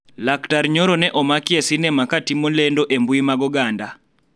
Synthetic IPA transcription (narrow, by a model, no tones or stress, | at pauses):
laktaɾɲɔɾɔnɛʔɔmakiesinɛmakatimolɛndɔʔembuimaɡɔɡanda